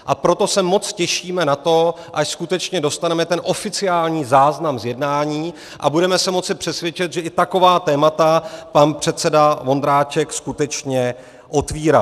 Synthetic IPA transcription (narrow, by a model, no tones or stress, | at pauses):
ʔapɾo̞t̪o̞sɛmo̞t͡scɛʃiːmɛnat̪o̞ | ʔaʃskut̪ɛt͡ʃɲɛdo̞st̪anɛmɛt̪ɛnʔo̞fɪt͡sɪaːlɲiːzaːznamzjɛdnaːɲiː | ʔa̰budɛmɛsɛmo̞t͡sɪpr̝̥ɛsvjɛt͡ʃɛt̪ʒɛʔɪt̪ako̞vaːt̪ɛːmat̪apanpr̝̥ɛt̪̚t͡sɛdavo̞nd̪ɾaːt͡ʃɛkskut̪ɛt͡ʃɲɛ | ʔo̞t̪viːɾa